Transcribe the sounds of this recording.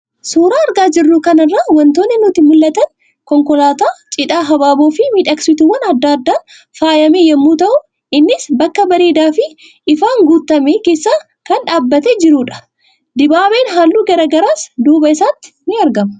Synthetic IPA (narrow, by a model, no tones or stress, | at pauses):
suːɾaːɐɾɡaːd͡ʒɪrːʊkɐnɐrːɐwɐnt̪oːnːɪnʊt̪ɪmʊlːɐt̪ɐn | kɔŋkɔlaːt̪aːt͡ʃʼɪᶑaːɦɐbaːboːfɪmiːᶑɐksɪt̪uwːɐnɐd̪ːɐːd̪ːaː | faːjɐmeːjɛmːuːt̪ɐʔʊ | ʔɪnːɪsbɐkːɐbɐɾeːd̪aːfɪ | ʔɪfaːŋɡut̪ːɐmeːke̞ːsːaː | kɐnᶑaːbːɐt̪ɛd͡ʒɪɾuːᶑɐ̥ | d̪ɪbaːbeːnɦaːlːuːɡɐɾɐɡɐɾaːsd̪uːbɐɪsaːt̪ːɪ̥nɪɐɾɡɐmɐ